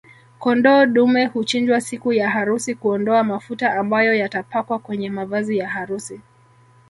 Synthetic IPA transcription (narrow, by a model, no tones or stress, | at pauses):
kɔndɔːɗumɛhut͡ʃind͡ʒwasikujaɦaɾusikuɔndɔamafutaʔambajɔjatapakwakwɛɲɛmavazijahaɾusi